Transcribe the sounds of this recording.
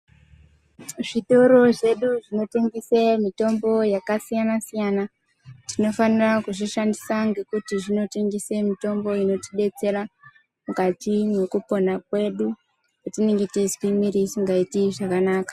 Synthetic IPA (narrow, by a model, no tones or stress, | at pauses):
ʐito̞ɾo̞ʐe̞ɗuʐino̞te̞ŋɡisemito̞mbo̞jakasijanasijana | tino̞fanirakuʐiʃandisaŋɡe̞kutiʐino̞teŋɡisemito̞mbo̞ino̞tiɗe̞t͡se̞ɾa | mukatine̞kupo̞nak̚we̞ɗu | katine̞ŋɡetizwimiɾisiŋɡaitiʐakanaːkḁ